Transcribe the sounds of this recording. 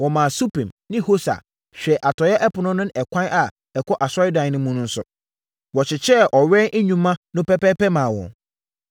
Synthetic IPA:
wɔ˨mãː˨su˦pʰĩ˨mnɪ̃˦ho˦sa̰˨ | ɕᶣɛ˨ʔa˨tʰɔ˨jɛ˦ʔɛ˦pʰʊ˨nʊ̃˦nʊ̃˦n˦ɛ˨kʷʰã˦nʔa˨ | ɛ˨kʰɔ˦ʔa˨sɔ˦ɾɪ˦dã˨˦nʊ̃˦mũ˦nʊ̃˦n̩˦sʊ̰˨ | wɔ˨t͡ɕʰɪ˨t͡ɕʰɛ˦˨ʔɔ˨ɥɛ̃˦nʔe˦ɲᶣũ˨mːã˦nʊ̃˦pɛ˦pɛ˦pɛ˦mãː˨wɔ̰̃˨n

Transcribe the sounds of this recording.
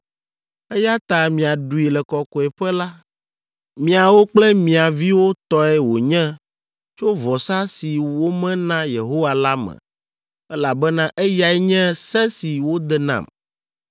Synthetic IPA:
ɛ˦ja˦t̪a˨mĩ˨a˨ɖu˨i˨lɛ˨kɔ˨kɔ˨ɛ˨ɸɛ˦la˦ | mĩ˨a˨wo˦k͡plɛ˦mĩ˨a˨vi˦wo˦t̪ɔ˦ɛ˦wo˨ɲɛ̃˦ | t͡ʃo˦vɔ˨sa˦si˨wo˦mɛ̃˦nã˦je˨ɦo˦wa˨la˦mɛ̰̃˨ | ɛ˦la˨bɛ˦nã˦ʔɛ˦ja˨ɛ˦ɲɛ̃˦sɛ˦si˨wo˦d̪ɛ˨nã̰˨m

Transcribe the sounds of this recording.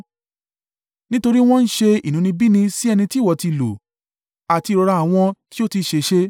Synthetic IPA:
nĩ˦to˧ɾi˦w̃ɔ̃˦n̩˦ʃe˧ḭ˨nũ˨˦nĩ˧bi˦nĩ˧si˦ɛ˧nĩ˧ti˦˨wɔ˨ti˧˨lo̰˨ | a˨ti˧ɾɔ˧ɾa˧a˨w̃ɔ̃˧ti˦o˦ti˧ʃe˨ʃe˧

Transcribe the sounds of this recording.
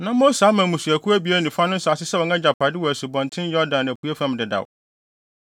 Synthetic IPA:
nã˦mõ˦saː˨˦mã˨mũ˨su˨æ˨kʰu˦æ˦bi˦æ˦nĩ˨fa˦nʊ̃˦n̩˦sʊ˨a˨sɪ˦sɛ˦wɔ̃˨nã˦d͡ʑa˨pʰa˨dɪ˦wɔ˨æ˨sʊ˨bɔ̃˨n˨tʰɪ̃˦n˦jɔ˦dã˨n˨æ˨kʰu˦ɛ˦fã˦m˨dɪ˨da̰˨w

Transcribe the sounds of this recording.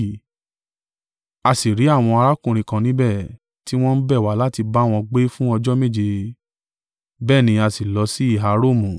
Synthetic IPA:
a˧si˨ɾi˨˦a˦˨w̃ɔ̃˧a˧ɾa˦kũ˨ɾ̃ĩ˨kã˨˧˨nĩ˨˦bɛ˦˨ | ti˦w̃ɔ̃˦n̩˦bɛ˦˨wa˨˦la˦ti˧ba˦w̃ɔ̃˧ɡ͡be˦fũ˦ɔ˧d͡ʒɔ˦me˦˨d͡ʒe˧ | bɛː˦˨nĩ˧a˧si˨lɔ˨˧si˦i˦˨ɦa˨˧ɾo˦˨mũ˨

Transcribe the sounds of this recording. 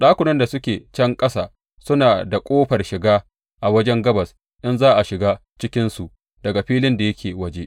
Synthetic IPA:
ɗaː˦kʷʊ˨nɐ˦nda˨sʊ˦kʲeː˨t͡ʃɛ˦ŋkʼɐ˦saː˨ | sʊ˦naː˨da˨kʷʼoː˦ɸɐ˨rʃɪ˨ɡaː˦ | ʔa˨wɐ˦d͡ʒɛ˦ŋɡɐ˦bɐ˨s | ʔɪ˦nzaː˦ʔa˨ʃɪ˨ɡaː˦ | t͡ʃɪ˦kʲɪ˦nsu˨ʔ | dɐ˨ɡa˨ɸiː˦lɪ˦nda˨jɐ˦kʲʰeː˨wɐ˦d͡ʒe˦ʔ

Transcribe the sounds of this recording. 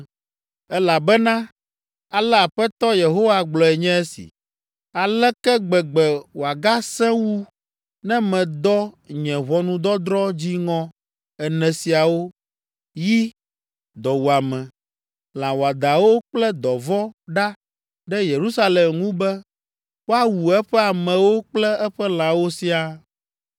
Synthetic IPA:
ɛ˦la˨bɛ˦nã˦ | a˨lɛ˦a˨ɸɛ˦t̪ɔ˦je˨ɦo˦wa˨ɡ͡blɔ˨ɛ˨ɲɛ̃˦ɛ˦sḭ˨ | a˨lɛ˦kɛ˦ɡ͡bɛ˨ɡ͡bɛ˨wo˨a˨ɡa˦sɛ̃˦wu˦ | nɛ̃˦mɛ̃˨d̪ɔ˦ɲɛ̃˨βɔ˨nũ˦d̪ɔ˦d̪ɾɔ˦d͡ʑi˦ŋɔ̃˦ | ɛ˨nɛ̃˨si˨a˨wo˦ | ji˦ | d̪ɔ˨wu˨a˨mɛ̃˨ | l̃ã˨wo˨a˨d̪a˨wo˦k͡plɛ˦d̪ɔ˨vɔ˦ɖa˦ | ɖɛ˦je˨ɾu˦sa˦le˨mŋũ˦bɛ˦ | wo˦a˨wu˨ɛ˦ɸɛ˦a˨mɛ̃˨wo˦k͡plɛ˦ɛ˦ɸɛ˦l̃ã˨wo˦si˦a˨

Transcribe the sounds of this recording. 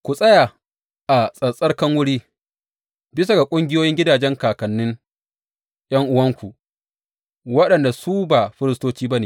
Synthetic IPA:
kʷu˨sʼɐ˦ja˨ | ʔa˨sʼɐ˨sʼɐ˦rkɐ˦ŋwʊ˦ɽiː˦ | bɪ˦s̬a˨ɡa˨kʷʼʊ˦ŋɡʲɪ˦joː˦jɪ˦ŋɡʲɪ˦daː˨d͡ʒɛ˦ŋkaː˨kɐ˨nːɪ˦ŋ | j̰ɐ˦ŋʔʊ˦wɐ˦ŋkʷu˨ | wɐ˦ɗɐ˨nda˨su˦ba˨ɸɪ˦ɾɪ˦stoː˦t͡ʃiː˦ba˦neː˨

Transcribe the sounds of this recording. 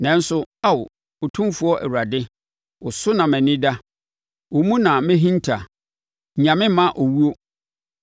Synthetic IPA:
nɛ̃˨˦n̩˦sʊ˦a˦wʊ˨ | o˨tʰũ˦fu˨˦ɔ˦ʔɛ̰˨wu˨ɾa˨dɪ˦ | ʊ˨sʊ˦nã˨mæ̃˨nĩ˦da˦ | o˨mũ˦nã˨mɪ̃˦ɦĩ˦n˦tʰa˨ | ɲã˨mɪ̃˦mã˦ʔo˨wu˦o˦

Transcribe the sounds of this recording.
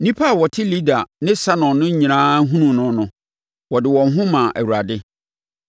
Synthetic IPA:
nĩ˦pʰa˦˨wɔ˨tʰɪ˦li˦da˨nɪ̃˦sa˦nɔ̃˨nʊ̃˦ɲĩ˨ɾãː˦ɦũ˦nũ˨nʊ̃˦nʊ̃˨ | wɔ˨dɪ˨wɔ̃˨nɦʊ̃˦mã˨ʔæ̰˨wu˨a˨dɪ˦

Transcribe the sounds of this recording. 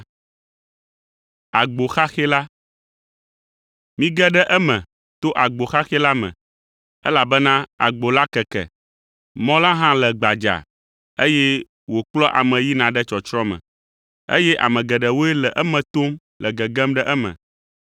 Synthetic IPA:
a˨ɡ͡bo˨xa˦xɛ˦la˦ | mĩ˦ɡɛ˦ɖɛ˦ʔɛ˦mɛ̃˨ | t̪o˦ʔa˨ɡ͡bo˨xa˦xɛ˦la˦mɛ̰̃˨ | ɛ˦la˨bɛ˦nã˦a̰˨ɡ͡bo˨la˦kɛ˨kɛ̰˨ | mɔ̃˦lã˦ɦã˦lɛ˨ɡ͡ba˨d͡ʒa̰˨ | e˦jɛ˦ | wo˨k͡plɔ˦ʔa˨mɛ̃˨ji˦nã˨ɖɛ˦t͡ʃɔ˨t͡ʃɾɔ̃˦mɛ̰̃˨ | ḛ˦jɛ˦ʔa̰˨mɛ̃˨ɡɛ˨ɖɛ˨wo˦ɛ˦lɛ˨ʔɛ˦mɛ̃˨t̪o˦m | lʔɛ˨ɡɛ˨ɡɛ˦mɖɛ˦ʔɛ˦mɛ̰̃˨

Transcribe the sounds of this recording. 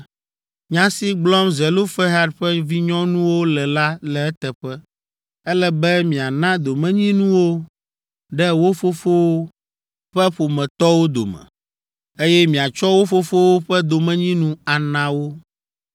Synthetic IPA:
ɲã˦si˦ɡ͡blɔ˦mzɛ˨lo˦fɛ˦ɦa˦ɖɸɛ˦vi˦ɲɔ̃˦nũ˦wo˦lɛ˨la˦lɛ˨ɛ˦t̪ɛ˨ɸɛ˦ | ɛ˦lɛ˦bɛ˦mĩ˨a˨nã˦d̪o˨mɛ̃˦ɲĩ˦nũ˦wo˦ | ɖɛ˦wo˦fo˦fo˦wo˦ | ɸɛ˦ɸo˨mɛ̃˨t̪ɔ˦wo˦d̪o̰˨mɛ̰̃˨ | e˦jɛ˦mĩ˨a˨t͡ʃɔ˦wo˦fo˦fo˦wo˦ɸɛ˦d̪o˨mɛ̃˦ɲĩ˦nũ˦a˨nã˨wo˦

